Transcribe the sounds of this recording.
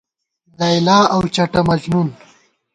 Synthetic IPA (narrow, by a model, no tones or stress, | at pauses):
d̪ɐjlaːɐwt͡ʃɐʈɐmɐznun